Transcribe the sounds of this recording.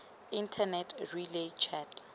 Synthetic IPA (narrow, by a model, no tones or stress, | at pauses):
intʰanɛtʰrilet͡ʃʰat